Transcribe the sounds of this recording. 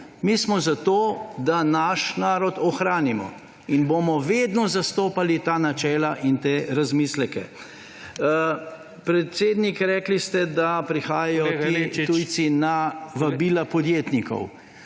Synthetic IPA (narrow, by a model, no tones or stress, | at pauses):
mismɔzat̪oːd̪anaʃnaːɾɔt̪ɔxɾaːnimɔ̰ | inboːmɔʋeːd̪nɔzast̪oːpalit̪aːnat͡ʃɛːlaʔint̪eːɾazmiːslɛkɛ̰ | pɾɛt̪seːd̪nikɾɛːklist̪ɛd̪apɾixaːjajɔt̪iuːj̪sinaʋabiːlapɔd̪jeːt̪nikɔ̰w